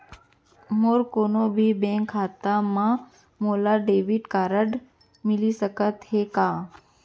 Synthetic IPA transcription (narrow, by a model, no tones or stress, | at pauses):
moːɾkoːnobʱibẽŋkʰːaːt̪amã | moːlaɖeːʋiʈkaːɾəɖ | mɪlisəkət̪ɦekaː